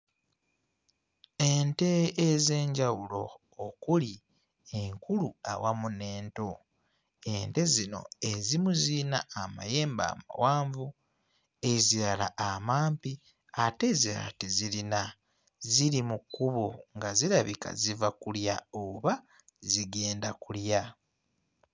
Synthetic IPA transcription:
e̞nte̞ːze̞ːɲɟawulo̞ː | kuli | e̞ŋkulua̰wamune̞ːnto̞ | e̞nte̞zino̞̰e̞zimuzinaːma̰je̞ːmba̰ːma̰waːɱvu | e̞ziɾalaamaːmpi | ate̞zia̰tezilina | ziɾimukːuβoŋɡaziɾaβika̰zivakuljaoβa | ziɡe̞ːndakulja

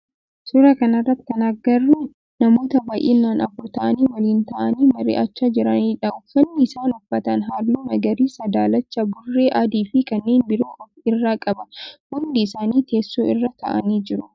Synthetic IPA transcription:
sʊɾɐkɐnɐrːɐt̪ːɪ̥kɐnɐɡɐrːu | nɐmo̞ːt̪ɐbaːjʔḛːnːaːnɐfʊɾt̪ɐʔɐniːwɐliːnt̪ɐʔɐniːmɐɾḛːʔɐt͡ʃːaːd͡ʒɪɾɐniːᶑɐʔʊfɐnːɪɪsaːnʊfːɐt̪ɐnɦaːlːuːnɐɡɐɾiːsɐd̪aːlɐt͡ʃːɐbʊrːeːʔɐd̪iːfɪkɐnːe̞ːnbɪɾuːʔɔfɪrːaːkʼɐbɐhʊnd̪ɪɪsaːniːt̪e̞ːsːuːɪ̰rːɐt̪ʰɐ̰ʔɐ̰niːd͡ʒɪɾʊ

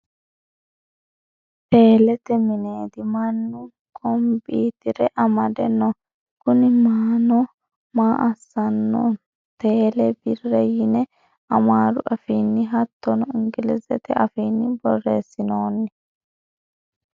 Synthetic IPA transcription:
te̞ːlɛt̪ɛmɪneːd̪ɪmɐnːʊ | ɡɔmbiːt̪ɪɾɛʔɐmɐd̪ɛnɔ | kʊnɪmaːnɔ | maːʔɐsːɐnːɔ̰ | t̪e̞ːlɛbɪrːɛjɪnɛ | ɐmaːɾʊʔɐfiːnːɪɦɐt̪ːɔnɔɪŋɡɪlɛzɛt̪ɛʔɐfiːnːɪbɔrːeːsːɪnoːnːɛ

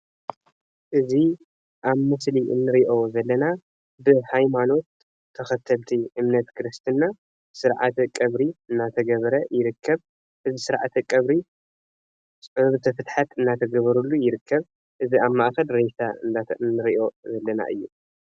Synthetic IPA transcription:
ʔɨzi | ʔaβmɨsliʔɨ̰nːɨɾiʔo̞zɐlːɐna | bɨhajmano̞t̪ʰː | ɐxɐt̪ʰːɐlt̪ʰiʔɨmnɐt̪kʰɨɾɨst̪ʰɨnːa | sɨɾʕa̰t̪ʰkʼɐβɾiɨnːat̪ʰɐɡɐβɾɐjɪɾɨkʰːɐβ | ʔɨzisɨɾʕa̰t̪ʰɨkʼɐβɾi | sʼɨβt̪ʰɐfɨt̪ħat̪ɨnːat̪ʰɐɡɐβɐɾulːujɪɾɨkʰːɐβ | ʔɨziaβmaʔxɐlɾejt̪ʰaɨ̰nnːɨɾiʔo̞zɐlːɐna̰ʔɨ̰jːu

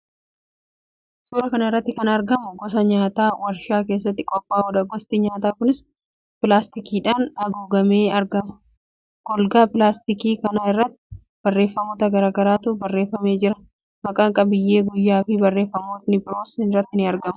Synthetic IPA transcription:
suːɾɐkɐnɐɪrːɐt̪ːɪkɐnɐɾɡɐmʊɡɔs̬ɐɲaːt̪aːwɐɾʃaːkeːs̬ːɐt̪ːɪkʼɔpʼːaːɔᶑɐɡɔst̪ɪɲaːt̪aːkʊnɪs | pɪlaːst̪ɪkiːᶑaːnɐɡuːɡɐme̞ːɐɾɡɐmʊ̥ | ɡ̥ɔlɡaːpɪlaːst̪ɪkiːkɐnaɪrːɐt̪ːɪ̥ | bɐrːe̞ːfːɐmo̞ːt̪ɐɡɐɾaːɡɐɾaːt̪ʊbɐrːe̞ːfːɐme̞ːd͡ʒɪɾɐ | mɐkʼaŋkʼɐbɪjːe̞ːɡʊjːaːfɪbɐrːe̞ːfːɐmoːt̪nɪbɪɾo̞ːsɪnrːɐt̪ːɪnɪɐɾɡɐmʊ

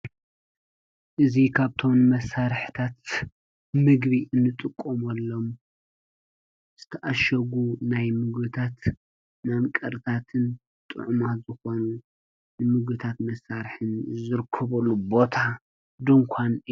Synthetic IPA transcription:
ʔɨzikʰaβt̪ʰo̞mmɐsaɾħt̪ʰat̪ | mɨɡbiʔɨnːɨt̪ʼɨkʼːomɐlːom | z̥ɨt̪ʰɐʔaʃɐɡunajmɨɡbɨt̪ʰat̪ | namkʼɐɾt̪ʰat̪ʰɨn | t̪ʼɨ̰ʕmazɨxo̞nu | nɨmɨɡbɨt̪ʰat̪mɐsaɾħɨnzɨɾkʰːɐβɐlːubo̞t̪ʰa | d̪ɨŋkʷʰanɨ

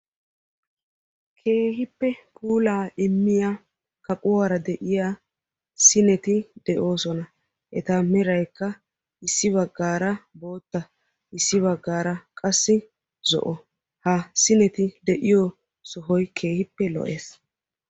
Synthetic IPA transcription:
kʰe̞ːɦɪpːɛpʰuːlaːɪmːɪjaː | kɐkʼʊwaːɾɐd̪ɛʔɪjaː | sɪnɛt̪ɪd̪ɛʔo̞ːsɔnɐ | ʔɛt̪amɛɾɐjkːɐ | ɪsːɪβɐɡːaːɾɐbo̞ːt̪ːɐ | ʔɪsːɪβɐɡːaːɾɐkʼɐsːɪ | zɔ̰ʔɔ | hɐsɪnɛt̪ɪd̪ɛʔɪjɔ | sɔɦɔjkʰe̞ːhɪpːɛlɔ̰ʔeːs

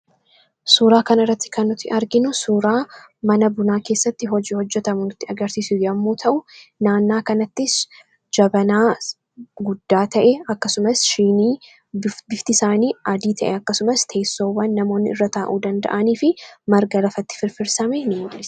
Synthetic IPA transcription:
suːɾaːkɐnɐrːɐt̪ːɪ̥kɐnːʊt̪ːɪʔɐɾɡɪnʊsuːɾaː | mɐnɐbʊnaːke̞ːsːɐt̪ːɪɦɔd͡ʒiːhɔd͡ʒːɛt̪ɐmʊnɪt̪ːɪɐɡɐɾsiːsɪɐmːuːt̪ʰɐʔʊnaːnːaːkɐnɐt̪ːɪs | d͡ʒɐbɐnaː | ɡʊd̪ːaːt̪ɐʔɛɐkːɐsʊmɐsʃiːniː | bɪft̪ɪsaːniːɐd̪iːt̪ʰɐʔɛɐkːɐsʊmɐst̪ʰe̞ːsːo̞ːwːɐnːɐmo̞ːnːɪɪrːɐt̪aːʔuːd̪ɐnd̪ɐ̰ʔɐniːfɪmɐɾɡɐlɐfɐt̪ːɪ̥fɪɾfɪɾsɐmɛnɪmʊlːɪs

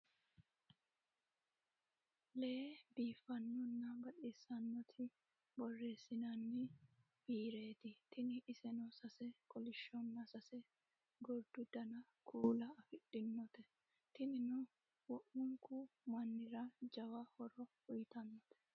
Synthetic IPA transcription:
lɛbiːfːɐnːɔnːɐbɐᶑeːsɐnːɔt̪ʰɪ | bɔrːe̞ːsːɪnɐnːɪ | biːɾeːt̪ɪt̪ɪnɪʔːsɛnɔsɐsɛkɔlɪʃːɔnːɐsɐsɛ | ɡɔɾd̪̥ʊd̪ɐnɐ | kʰuːlɐːfɪɗɪnːɔt̪ɛ | t̪ɪnɪnɔ | wɔʔʊŋkumɐnːɪɾɐd͡ʒɐwɐhɔɾɔhʊjt̪ɐnːɔt̪ʰɛ̥

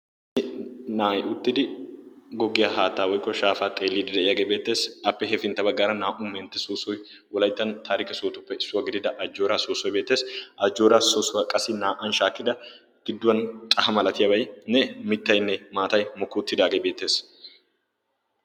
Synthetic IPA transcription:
naːjʊt̪ːɪd̪ɪɡɔɡɪjaɦaːt̪ːaːwɔjkːɔʃaːfaːt̪ʼe̞ːlːiːd̪ɪd̪ɛɪjɐɡebe̞ːt̪ːe̞ːsʔɐpːɛɦɛfɪnt̪ːɐbɐɡaɾɐnaːʔʊmːɛːnt̪ːɛsoːsːɔj | wɔlɐjt̪ːɐnt̪ʰaːɾɪkɛsoːt̪ʊpːɛɪsːʊwɐɡɪd̪ɪd̪ɐʔɐd͡ʒːoːɾaːsoːsːɔjbe̞ːt̪ːe̞ːsʔɐd͡ʒːoːɾasoːsːʊɐkʼɐsɪnaːʔɐnʃaːkːɪd̪ɐ | ɡ̥ɪd̪ːʊwɐnt̪ʼɐhɐmɐlɐt̪ɪjɐbɐjnɛmɪt̪ːɐjnːɛmaːt̪ɐjmɔkːuːt̪ːɪd̪aːɡɛbe̞ːt̪ːe̞ːs

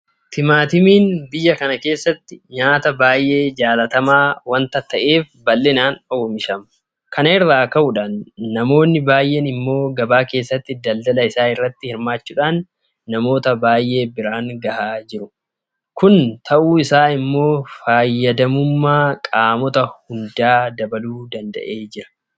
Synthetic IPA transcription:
t̪ʰɪmaːt̪ɪmiːnbɪjːɐkɐnɐke̞ːsːɐt̪ːɪɲaːt̪ɐbaːjʔe̞ːd͡ʒaːlɐt̪ɐmaːwɐnt̪ɐt̪ɐʔe̞ːf | bɐlːɛnaːnɔːmɪʃɐmʊ | kʰɐnɪrːaːkɐʔʊᶑaːnːɐmo̞ːnːɪbaːjʔɛnɪmːo̞ːɡɐbaːke̞ːsːɐt̪ːɪd̪ɐld̪ɐlɐɪsaːɪrːɐt̪ːɪhɪɾmaːt͡ʃːuːᶑaːnː | ɐmo̞ːt̪ɐbaːjʔe̞ːbɪɾaːŋɡɐhaːd͡ʒɪɾʊ | kʊnt̪ʰɐʔuːɪsaːɪmːo̞ːfaːjːɐd̪ɐmʊmːaːkʼaːmɔt̪ɐhʊnd̪aːd̪ɐbɐluːd̪ɐnd̪ɐ̰ʔe̞ːd͡ʒɪɾɐ̥

